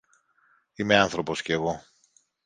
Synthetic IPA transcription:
imeɐnθɾo̞po̞sceːɣo̞

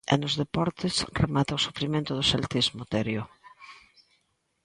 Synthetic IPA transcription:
ḛnʊzðepɔɾt̪ɪsremat̪aosufɾimẽnt̪ʊðʊselt̪izmʊt̪eɾjo

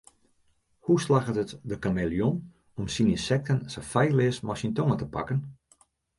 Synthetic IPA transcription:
huslaɣətətdəkamelˠjon | ɔmsininsɛk̚tʰənsəfajlɪəsmɔsəntoŋətəpa̰kən

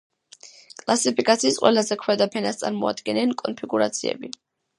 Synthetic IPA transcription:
kʼlˠasipʰikʼat̪sʰiːsqʼwɛlˠazɛkʰwɛd̪apʰɛnast̪sʼaɾmɔa̰d̪ɡɛnɛnkʼɔnpʰiɡuɾat̪sʰiɛ̰bi

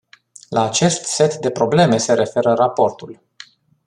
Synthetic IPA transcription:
lʔaːt͡ʃe̞st̪se̞t̪d̪e̞pɾo̞ble̞me̞se̞ɾe̞fe̞ɾərapo̞rt̪ul

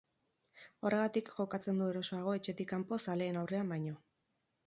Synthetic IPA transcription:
o̞re̞ɣat̪ikʝo̞kat͡se̞nd̪ue̞ɾo̞so̞aɣ̞o̞e̞t͡ʃe̞t̪ikampo̞sale̞ːnawre̞ambajɲo̞

